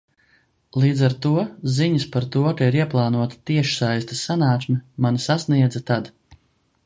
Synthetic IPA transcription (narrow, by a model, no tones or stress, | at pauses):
lˠiːd̪zaɾt̪uɔziɲuspaɾt̪uɔkaiɾiɛplˠaːnuɔt̪ḁt̪iɛʃsajst̪ḁsanaːksʲmʲimanisasniɛd̪zat̪ad̪